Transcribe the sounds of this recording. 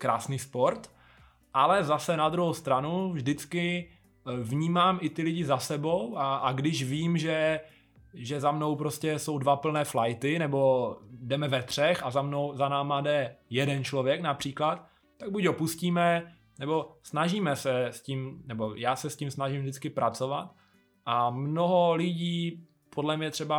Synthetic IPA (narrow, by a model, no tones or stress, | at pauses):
kɾaːsniːspo̞ɾt̪ | ʔalɛzasɛnad̪ɾuɦowst̪ɾanuvʒdɪt͡skɪ | vɲiːmaːmɪt̪ɪlɪɟɪzasɛbo̞wʔaaɡdɪʃviːmʒɛ | ʒɛzamno̞wpɾo̞scɛso̞wdvapl̩nɛːflajt̪ɪnɛbo̞dɛmɛvɛt̪r̝̥ɛxazamno̞wzanaːmaːdɛjɛdɛnt͡ʃlo̞vjɛknapr̝̥iːklat̪ː | aɡ̚buɟdopusciːmɛ | nɛbo̞snaʒiːmɛsɛsciːmnɛbo̞jaːsɛsciːmsnaʒɪmvdɪt͡skɪpɾʔat͡so̞vat̪ | ʔamno̞ɦo̞lɪɟiː | pʰodlɛmɲɛt̪r̥ɛba